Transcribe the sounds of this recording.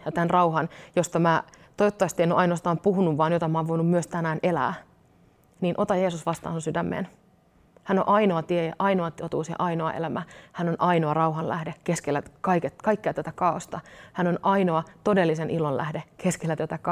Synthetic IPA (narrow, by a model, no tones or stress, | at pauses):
jɑt̪ænrɑuɦɑnjost̪ɑmæːt̪oot̪ːɑjɑst̪ienoʔɑinoɑst̪ɑːmpuhunuʋːɑːnjot̪ɑmɑːʋʋo̞inummyøst̪ænæːnʔelæ̰ː | niːnʔot̪ɑjeːsusʋɑst̪ɑ̰ːnsunsydæmːḛːn | hænoʔɑinoɑt̪ieʔɑinoɑt̪ot̪uːsjɑ̰ʔɑinoɑ̰ʔḛlæmæhænonʔɑinoɑrɑuɦɑllæ̰hdekeskelːækɑiketkɑikːeæt̪æt̪ækɑost̪ɑhænonʔɑinoɑt̪odelːisenʔilollæ̰hdekeskelːæt̪æt̪ækɑ